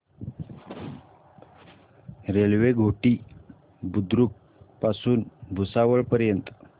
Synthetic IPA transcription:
ɾelʋeɡʱoʈiː | bud̪ɾuk̚ | pasuːnbʱusaʋəɭpəɾjənt̪

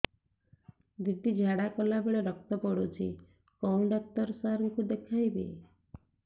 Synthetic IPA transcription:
d̪id̪ʱid͡ʒʱaɽakɔlabeɭɔɾɔk̚t̪ɔpɔɽut͡ʃʰi | kɔw̃ɖɔk̚t̪ɔɾsaɾɔŋkud̪ekʰajbḛ

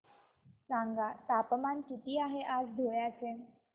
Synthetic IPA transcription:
sãŋɡat̪apəmankit̪iːaɦeʔad͡zd̪ʱoɭjat͡se

